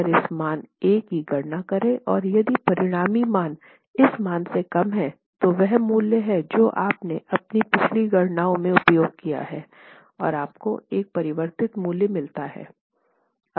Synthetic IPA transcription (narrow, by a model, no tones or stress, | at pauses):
ɾɪsmaːneːkɦiɡʱɐɾnakɐɾẽʔɔːɾjɐd̪ipɐɾɪɽ̃aːmimaːn | ɪsmaːnsekɐmɦɛ | t̪oʋɛɦmuːljəɦɛd͡ʒoːʔaːpneʔɐpnipɪt͡ʃʰliɡɐɽnaːõmẽʊpjoːɡ̚kija̰ɦɛː | ɔ̰ːɾaːp̚koeːk̚pɐɾɪʋəɾt̪ɪt̪muːljəmɪlt̪aɦɛ̰ː